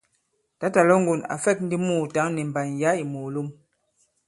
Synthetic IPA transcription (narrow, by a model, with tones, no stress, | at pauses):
ta˨˦ta˨lɔ˦ŋ˦ɡu˨na̰˨fɛ˦˨k̚n̩˦di˦muː˦˨ta˨˦ŋni˨m̩˨ba˨n˨ja˨˦i˨mo˨lu˦m